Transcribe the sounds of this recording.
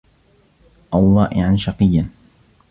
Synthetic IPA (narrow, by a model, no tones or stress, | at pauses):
ʔawːɑːʔɪ̰ʕanʃɑqɨjːan